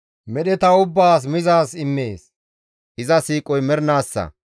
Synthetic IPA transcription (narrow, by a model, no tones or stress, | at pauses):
mɛɗɛt̪ɐʊbːaːs̬mɪzaːsɪmːeːs | ʔɪzɐsiːkʼɔjmɛɾnaːsːɐ̰